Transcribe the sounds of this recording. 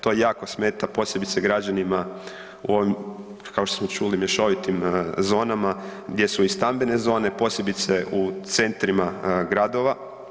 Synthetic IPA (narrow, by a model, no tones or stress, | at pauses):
t̪o̞jaːko̞smeːt̪apo̞ːsjebit̪seɡɾad͡ʑanima | ṵo̞ʋim | kaoʃt̪osmot͡ʃulimjeʃo̞ʋit̪imzo̞ːnamaɡd̪je̞suist̪ambene̞zo̞ːne̞po̞ːsjebit̪se̞ut̪se̞nt̪ɾimaɡɾad̪o̞ʋa